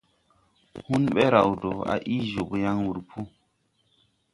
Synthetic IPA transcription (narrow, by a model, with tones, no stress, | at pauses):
hu˦nɓɛ˦ɾa̰˨wdo˨a̰˨ʔi˦ʒu˨kja˦ŋwu˨ɾpʰu˦